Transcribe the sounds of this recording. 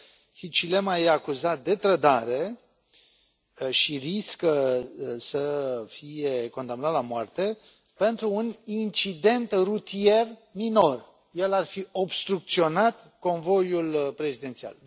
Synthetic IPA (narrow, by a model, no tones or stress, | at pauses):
hit͡ʃile̞majeakuzat̪̚d̪e̞t̪ɾəd̪aɾe̞ | ʃiriskəsəfije̞ko̞nd̪amnat̪lamoart̪e̞ | pe̞nt̪ɾuːnint͡ʃid̪e̞nt̪rut̪ie̞rmino̞r | je̞larfio̞bst̪ɾuk̚t̪sio̞nat̪ | ko̞nvo̞julpɾe̞zid̪ent̪sia̰l